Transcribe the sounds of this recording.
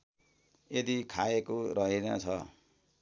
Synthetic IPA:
ed̪ikʰaekoɾʌɦenʌ̰t͡sʰʌ

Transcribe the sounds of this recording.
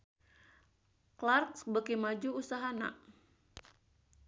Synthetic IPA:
klarksbəkimad͡ʒuusaɦana̰ʔ

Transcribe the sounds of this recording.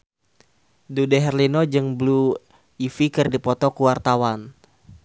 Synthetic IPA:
dudɛɦɛrlinɔd͡ʒɨŋblu | ifikɨrdipɔt̪ɔkuwart̪awan

